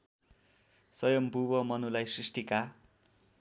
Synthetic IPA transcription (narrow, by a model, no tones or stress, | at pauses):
sʌjʌmbʱubʌmʌnulajsrisʈika